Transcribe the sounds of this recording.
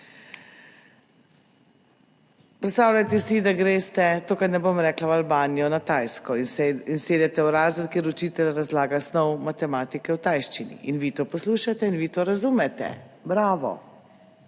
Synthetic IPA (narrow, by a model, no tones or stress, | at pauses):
pɾɛt̪st̪aːwlʲat̪ɛsid̪aɡɾeːst̪ɛt̪oːkaɾnɛbomɾɛːklawalbaːnijɔnat̪ajskɔinseːd̪ɛt̪ɛwɾaːzəlkeɾut͡ʃiːt̪ɛlɾazlaːɡasnɔwmat̪ɛmaːt̪ikɛwt̪ajʃt͡ʃinḭʔinʋit̪oːpɔsluːʃat̪ɛinʋit̪oːɾazuːmɛt̪ɛ̰bɾaːʋɔ̰